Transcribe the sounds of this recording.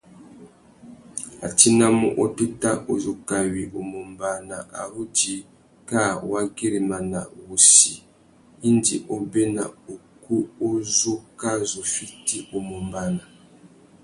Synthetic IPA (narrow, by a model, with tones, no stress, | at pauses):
a̰˨ti˦na˦mu˦ʔɔ˦tu˦ta˦ʔo˨zo˨ka˨wi˨ʔo˨mo˨mba˦na˨ʔa̰˨ɾu˦di˨ | ka˦˨wa˦ɡi˦ɾi˨ma˨na̰˨wu˨si˨ | i˦ndi˨ʔo˦be˦na̰˨o˨ku˦o˦zo˦ka˦zo˨fi˦ti˦o˨mo˨mba˨na˨